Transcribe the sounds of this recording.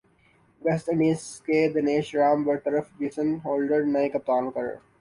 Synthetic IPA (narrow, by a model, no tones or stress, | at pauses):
ʋɛsʈɪ̃ɳɖiːskeːd̪ɐneːʃɾãːmʋəɾt̪əɾəfbiːsə̃nɦoːlɖəɖnaekɐp̚t̪aːnkəɾə̰